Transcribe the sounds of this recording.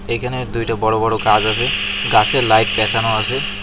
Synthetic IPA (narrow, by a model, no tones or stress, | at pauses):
ejkʰaned̪ujʈabɔɽobɔɽokad͡ʑasʰeɡaselajk̚d̪ɛkʰanoasʰe